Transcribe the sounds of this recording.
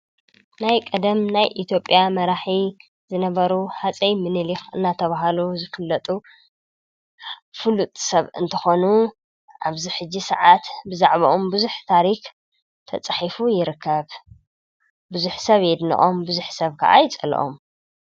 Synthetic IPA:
najkʼɐd̪ɐmnajʔit̪ʰjo̞pʼjamɐɾaħi | zɨnɐβɐɾuħat͡sʼɐjmɨnɨlixɨnːat̪ʰɐβaɦaluzɨfɨlːɐt̪ʼu | fɨlut̪ʼsɐβɨ̰nt̪ʰɐxo̞nu | ʔaβziħɨd͡ʒːisɐ̰ʕat̪bɨzaʕβɐʔombɨzuħt̪ʰaɾix | t̪ʰɐt͡sʼaħifujɪɾɨkʰːɐβ | bɨzuħsɐβjɛd̪nḭʔʼo̞mbɨzuħsɐβkʰɐ̰ʔa̰jɪt͡sʼɐl̰ʔo̞̰m

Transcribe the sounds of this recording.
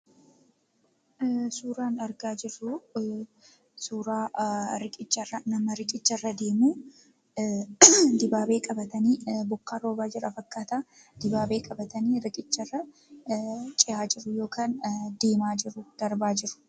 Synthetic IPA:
suːɾaːnɐɾɡaːd͡ʒɪrːʊ | suːɾaːɾɪkʼɪt͡ʃːɐrːɐnɐmɐɾɪkʼɪt͡ʃːɐrːɐd̪e̞ːmuː | d̪ɪbaːbe̞ːkʼɐbɐt̪ɐniːbʊkːaːɾo̞ːbaːd͡ʒɪɾɐfɐkːaːt̪aː | d̪̥ɪbaːbeːkʼɐbɐt̪ɐniːɾɪkʼɪt͡ʃːɐrːɐ | t͡ʃʼɪjaːd͡ʒɪɾːʊjo̞ːkaːnd̪e̞ːmaːd͡ʒɪɾʊd̪̥ɐɾbaːd͡ʒɪɾʊ̥

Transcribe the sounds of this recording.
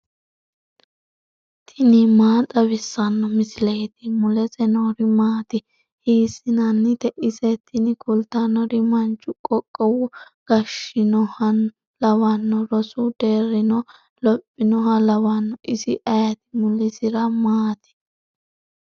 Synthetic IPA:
t̪ʰɪnɪmaːt̪ʼɐβɪsːɐnːɔmɪsɪlejt̪ɪmʊlɛzɛnoːɾɪmaːt̪ɪ | hiːsːɪnɐnːɪt̪ɛʔɪsɛt̪ʰːɪnɪkʊlt̪ɐnɔɾɪmɐnt͡ʃːʊkʼɔkʼːɔwʊɡ̥ɐʃɪnɔhɐ | lɐwɐnːɔɾɔsʊd̪eːrːɪnɔ | lɔpʼːɪnɔɦɐlɐwɐnːɔʔɪsɪʔɐjɐt̪ɪ̥mʊlɪsɪɾɐmaːt̪ɪ̥

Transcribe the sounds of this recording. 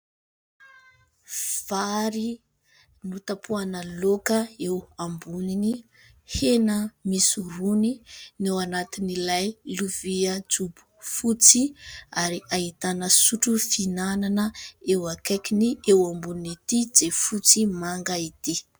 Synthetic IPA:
v̥aɾi | nut̪apʰuanəlokəewambunini | henəmisuɾuninewanat̪inilajluviəd͡zubu̥fut͡siaɾiaɦit̪anəsuʈ͡ʂufinananəewakakiniewambuninit̪id͡zefut͡simaŋɡait̪i

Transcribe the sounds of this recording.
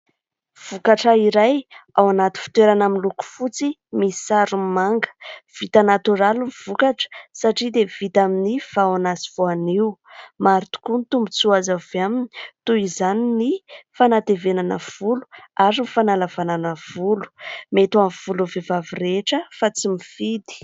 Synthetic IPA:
v̥ukaʈ͡ʂaiɾajawanat̪u̥fi̥t̪weɾanaminluku̥fut͡simisaɾummaŋɡə̥v̥it̪anat̪uɾaluniv̥ukaʈ͡ʂə̥saʈ͡ʂid̪ev̥it̪aminifawanasiv̥oaniumaɾit̪u̥kunit̪umbut͡suazaveamini̥t̪uizaninifanat̪evenanəv̥ulu̥aɾinifanalavananəv̥ulu̥met̪uamv̥uluvevavireʈ͡ʂəfat͡simifid̪i̥

